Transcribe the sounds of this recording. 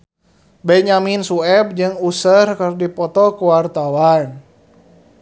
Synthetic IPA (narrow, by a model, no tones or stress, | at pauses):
bɛɲaminsuɛb̚d͡ʒɨŋusərkərdipɔt̪ɔkuwart̪awan